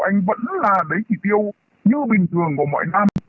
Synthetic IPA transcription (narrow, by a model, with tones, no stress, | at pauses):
ʔa˧jŋ̟və̰˧˥nlaː˨˩ɗə˨˦jt͡ɕi˧˩t̪i˧əw | ɲɨ˧ɓï˨˩ŋ̟t̪ʰɨ˨˩əŋku˧˩mɔ̰˧˨jna˧m